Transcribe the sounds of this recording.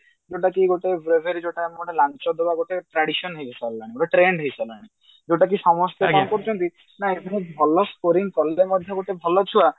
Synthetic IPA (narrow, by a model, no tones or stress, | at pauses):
d͡ʒoʈakiɡoʈebɾebʱeɾid͡ʒoʈamɔʈelant͡ʃɔd̪ʱebaɡoʈeʈɾaɽisɔnɦejbʱesalːãiɡoʈeʈɾeɳɖɦejsɔlaɽ̃i | d͡ʒeʈak̬isɔmɔst̪eɔkɔɾut͡ʃʰɔnt̪i | naeb̪ʱinebʱɔlɔskoɾiŋkɔlemɔd̪ʱjɔɡoʈebʱɔlɔt͡ʃʰua